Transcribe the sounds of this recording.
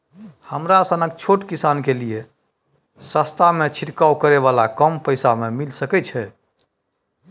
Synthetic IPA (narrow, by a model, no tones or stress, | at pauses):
həmɾasənək̚t͡ʃʰoʈkisankelije | səst̪ʰamet͡ʃʰiʈkawkəɾeβalakəmpəjsamemilsəkɛt͡ʃʰɛ